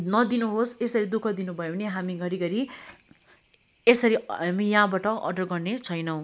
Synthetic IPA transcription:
nʌd̪inuɦosesʌɾid̪ukʰʌd̪inubʱʌeʌneɦamiɡʱʌɾiɡʌɾi | esʌɾiɦamijaɦãbaʈʌʔʌ̰ɖʌrɡʌrnet͡sʰʌjnʌw̃

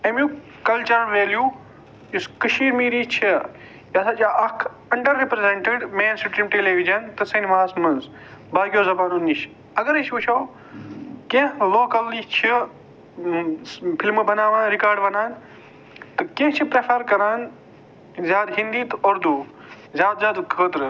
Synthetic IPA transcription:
emju | kɐlt͡ʃɐnʋeːljuː | juskɐʃiːɾmiːɾit͡ʃʰi | jasat͡ʃaʔɐkʰ | ɐɳɖɐɾːipɾezeɳʈeɖmẽːnsjupɾimʈeːleːʋid͡ʒɐnt̪ɐsɐniʋaːsmɐnz | baːɡijoːzɐbaːnunːiʃ | ɐɡɐɾet͡ʃʰʋut͡ʃʰoː | kẽɦloːkɐlːit͡ʃʰi | pʰilmbɐnaːʋãːnɾikaːɾɖbɐnaːn | t̪ɨkẽɦt͡ʃʰipɾepʰɐɾkɐɾaːn | zjaːd̪ɦĩnd̪iːt̪ɐɾd̪uː | zʲjaːd̪zʲjaːd̪kʰəːt̪ɾɨ

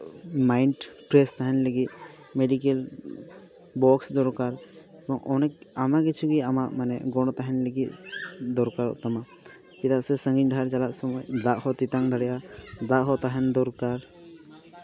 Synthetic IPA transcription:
majnʈpɾɛst̪aɦɛnləɡit̪̚ | mɛɖikel | bɔksd̪ɔɾkaɾ | ɛbɔŋɔ̰nɛamakɛt͡ʃʰuɡiamaʔmanɛɡɔɽ̃ɔt̪aɦɛnləɡit̪̚d̪ɔɾkaɾɔ̰ʔt̪ama | kit̪aʔsɛsəŋɡiɲɖʱaɾt͡ʃalaʔ̪sɔmɔjd̪aʔhɔt̪it̪aŋd̪ʱəɽɛjad̪aʔɦɔt̪aɦɛnd̪ɔɾkaɾ

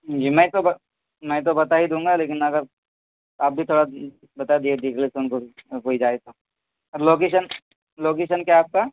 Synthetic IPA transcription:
ɦd͡ʒiːmɛ̃ːt̪obɐ | mɛ̃t̪̬obɐt̪aɦid̪ũːŋ̆ɡaleːkɪnɐɡəɾ | aːp̚bʱit̪ʰoːɽa | bɐt̪ad̪ied̪iklesʊnkokoːid͡ʒaːet̪o | ɔːɾloːkeːʃən | loːk̬eːʃənkjaːp̚ka

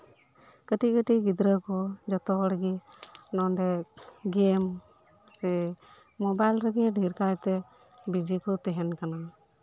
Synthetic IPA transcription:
kəʈikəʈiɡid̪ɾəkɔd͡ʒɔt̪ɔɽəɡɛnɔnɖɛɡɛm | sɛ | mɔbajlɾəɡɛɖʱiɾkajt̪ɛ | bid͡ʒikɔt̪ɛɦɛnkanan

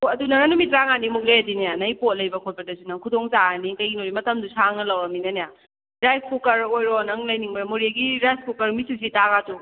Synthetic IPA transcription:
ɐdunɐnanumit̚ɾaŋanimuk̚lejadinajanɐjpot̚lɐjbɐkʰot̚pɐdɐsunɐkʰudoŋsaanikɐjɡinoɾimɐtɐmdusaŋnɐlɐwaminɐneja | ɾajskukɐɾojɾɔnɐŋlɐjniŋbajmoɾiɡiɾajskukɐɾmisus̬itaɡatu

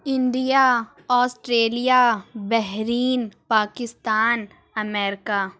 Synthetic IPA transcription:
ɪ̃nɖija | ɔːsʈɾeːlijabɛɦɾiːnpaːkɪst̪aːn | ɐmɛːɾɪkaː

